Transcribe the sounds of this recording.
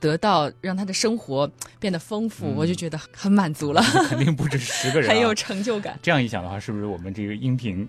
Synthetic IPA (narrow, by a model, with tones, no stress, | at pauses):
t̪ɤ˧˥t̪ɑ˥˩ʊɻɑ˥˩ŋt̪ʰa˥d̪ə˨ʂɤ˥ŋxwɔ˧˥pjɛ˥˩nd̪ə˩fɤ˥ŋfu˥˩wɔ˨˩t͡ɕjo˥˩ʊt͡ɕɥɛ˧˥d̪ə˧xə˧˥nma˨˩nt͡su˧˥lə˧ə˩npi˥˧ŋpu˥˧ʈ͡ʂɻ̩˥˩ʂɻ̩˧˥ɡə˧ɻə˧˥jo˨˩ʊʈ͡ʂʰɤ˧˥ŋt͡ɕjo˥˩ʊka̰˨˩˦nʈ͡ʂjɑ˥˧ŋi˧˥ɕjɑ˨˩ŋd̪ə˦xwa˥˧ʂɻ̩˥˩bu˩ʂɻ̩˥˩wɔ˨˩mə˦nʈ͡ʂɤ˥˩ɡə˩i˥ŋpʰi˧˥ŋ